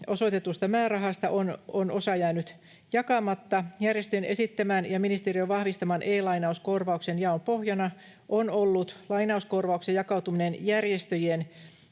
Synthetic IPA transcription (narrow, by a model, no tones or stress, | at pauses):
osot̪et̪ust̪ɑmæːrɑɦɑst̪ɑʔononosɑjæːnyt̪ | jɑkɑmɑt̪ːɑjærjest̪øjenʔesit̪ːæmæːnjɑminist̪erioʋɑhʋist̪ɑmɑnʔeːlɑinɑuskorʋɑuksenjɑompohjɑnɑ | ʔonolːut̪lɑinɑuskorʋɑuksejɑkɑut̪uminenjærjest̪øjen